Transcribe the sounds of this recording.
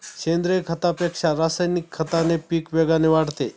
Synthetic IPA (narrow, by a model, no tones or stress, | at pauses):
ɕend̪ɾekʰət̪apekʂaɾasajnikʰːət̪anepiːkʋeɡaneʋaɽt̪e